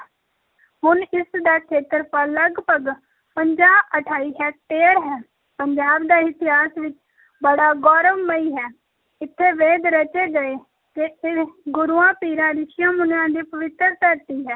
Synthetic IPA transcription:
ɦʊnɪsd̪aːkʰeːt̪əɾpəɾləɡbəɡ | pəɲd͡ʒaːbəʈʰaːiːɦɛːt̪eːɾɦɛː | pəɲd͡ʒaːbd̪aːɦɪt̪ɪɦaːsʋɪt͡ʃ | bəɽaːɡɔːɾəʋməiːɦɛː | ɪt̪ʰːeːʋeːd̪ɾət͡ʃeːɡəeː | t̪eːeɡʊɾuãːpiːɾãːɾɪʃjãːmʊnjãːd̪iːpəʋɪt̪ːəɾt̪əɾt̪iːɦɛː

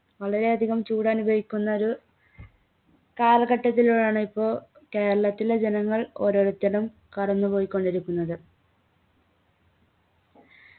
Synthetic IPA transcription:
ʋɐɭɐɾe̞ɐd̪ʱiɣɐmt͡ɕuːɽaːnubʱɐʋikʲːunːɐo̞ɾu | kaːlɐkɐʈːɐt̪ːiluɭaːɳɨipːo̞ːke̞ːɐɭɐt̪ːiled͡ʑe̞nɐŋːɐɭo̞ːɾo̞ːɾut̪ːɐɳum | kɐɽɐnːupo̞ːjikːo̞ɳɖiɾikʲːunːɐðɨ

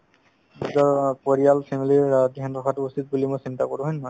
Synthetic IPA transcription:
bizɔɹpoɹialpʰemiliɹtiɦʰɛntʰɔkʰatupostit̚bulimɔjsintakoɹũɦɔjnːɔj

